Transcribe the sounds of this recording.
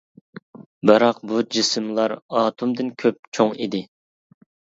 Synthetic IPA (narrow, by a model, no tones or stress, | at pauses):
bɨɾɑq̚bud͡ʒisɨmlˠɑɾɑːt̪ʰumd̪ɨnkʲʰøp̚t͡ʃʰoŋid̪ɪ